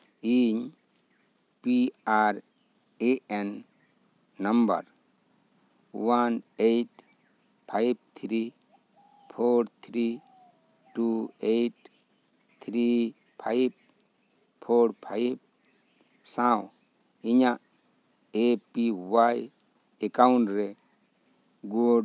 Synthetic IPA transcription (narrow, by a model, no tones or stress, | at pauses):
iɲ | piaɾ | eenː | ɐmbə̰ɾ | waneʈ | pʰajb̚t̪ʰɾi | pʰoɾt̪ʰɾi | ʈuejʈ | t̪ʰɾi | pʰajb̚ | pʰoɾpʰajb̚ | sãw | iɲa | epiwaj | ekawnʈɾe | ɡo